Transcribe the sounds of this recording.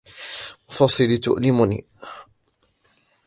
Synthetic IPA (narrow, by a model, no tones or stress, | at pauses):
mʊfɑsˤɨlit̪ʊ̰ʔlɪmʊnḭː